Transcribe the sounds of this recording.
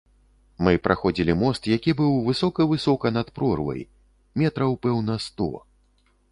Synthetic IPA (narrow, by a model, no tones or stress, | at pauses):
mɨpɾʔaxɔd͡zʲilʲimɔst̪jakʲibɨwvɨsɔkɐvɨsɔkɐnɐt̪pɾɔrvɐ̰j | mʲɛt̪ɾɐwpɛwnɐst̪ɔ̰